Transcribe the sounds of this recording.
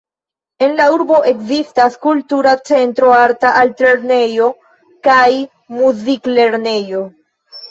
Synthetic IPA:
e̞nlauɾbo̞ʔe̞kzistaskultuɾat͡se̞ntɾo̞aɾtaʔaltle̞ɾne̞jo̞ | kaj | muzikle̞ɾne̞jo̞

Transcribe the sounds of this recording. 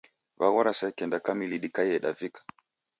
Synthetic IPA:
vawaɾasakɛndakamiliɗikajɛɗa̰vikḁ

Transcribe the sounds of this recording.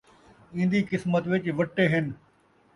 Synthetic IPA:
ĩːn̆d̪iːkɪsmət̪ʋɪt͡ʃʋəʈːeːɦɪn

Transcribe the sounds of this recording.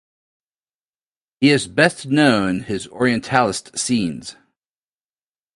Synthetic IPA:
hiɨzbɛstnõʊ̃nɪzɔ̰ɹiɨ̃ntʰælˠəstsĩnz̥

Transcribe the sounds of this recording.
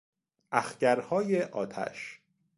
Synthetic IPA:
ʔæxcæɾhɒːjeʔɒːt̪ʰæ̰ʃ

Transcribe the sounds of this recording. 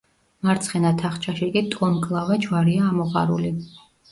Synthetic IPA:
maɾt̪sʰχɛnat̪ʰaχt͡ʃʰaʃikʼit̪ʼɔmkʼlˠavad͡ʒwaɾiaːmɔʁa̰ɾṵli

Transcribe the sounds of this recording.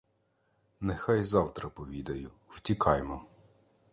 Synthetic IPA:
nɛxɑjzɑwt̪ɾɐpɔʋʲid̪ɐjʊ | w̥tʲikʰɑjmɔ

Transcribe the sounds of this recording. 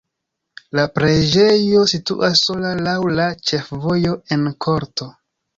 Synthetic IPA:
lapɾed͡ʒe̞jo̞sitṵʔasːo̞lalawlat͡ʃe̞fvo̞jo̞e̞nkʰo̞ɾto̞

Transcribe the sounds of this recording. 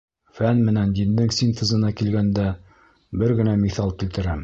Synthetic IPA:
fænmɘ̆nænd̪ind̪ɘŋsʲint̪ɘ̆zɤ̆nɑkilɡænd̪æ | bɘɾɡɘ̆næmiθɑlˠkĭlt̪ɘ̆ɾæm

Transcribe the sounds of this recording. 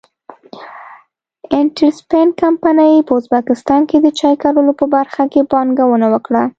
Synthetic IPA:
ɪnʈəɾspenkampanajpəʊzbakɪst̪ɑnked̪ət͡ʃɑjkaɾəlopəbaɾxakebɑŋɡawənawəkɽa

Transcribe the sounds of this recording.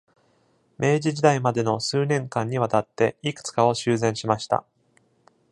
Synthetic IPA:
me̞ːʑiʑid̪aimad̪e̞no̞sɨːnẽ̞ŋkãɲ̟ːiβat̪at̪ːe̞ikɯ̟̥t͡sɨ̥kao̞ɕɨːzẽ̞ɰ̃ɕimaɕi̥t̪a̰

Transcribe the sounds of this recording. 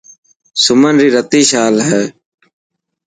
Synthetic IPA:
sʊmənɾiːɾət̪iːʃaːlɦɛː

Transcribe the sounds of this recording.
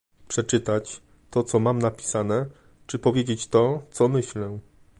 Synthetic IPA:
pʂɛt͡ʂɘt̪at͡ɕ | t̪ɔt̪sɔmamnapʲi̥sanɛ | t͡ʂɘpɔvʲjed͡ʑet͡ɕt̪ɔt̪sɔmɘɕlɛ

